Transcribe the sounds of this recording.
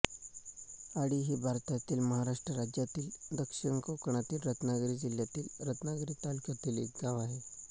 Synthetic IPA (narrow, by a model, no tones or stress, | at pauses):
aɽiɦiːbʱaɾt̪at̪iːlməɦaɾaʂʈɾəɾad͡ʑjat̪iːld̪əkʂiɳkokɳ̃at̪iːlɾət̪naɡɾiːd͡ʑiljat̪iːlɾət̪naɡɾiːt̪alikat̪iːlḭt̪ɡaʋaɦe